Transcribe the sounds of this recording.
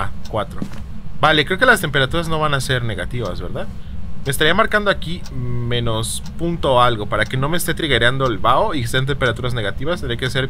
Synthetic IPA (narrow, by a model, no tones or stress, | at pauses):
akwat̪ɾo̰bale̞kɾeoke̞last̪e̞mpe̞ɾat̪uɾazno̞βanase̞ɾne̞ɣat̪iβazβe̞ɾðaðme̞ːst̪aɾiamaɾkand̪o̞aki | mẽ̞no̞s | punt̪oalɣo̞paɾake̞no̞meːst̪e̞t̪ɾiɣeɾjand̪oelβaoikeseant̪̬empe̞ɾat̪uɾazne̞ɣat̪iβast̪end̪ɾekese̞ɾ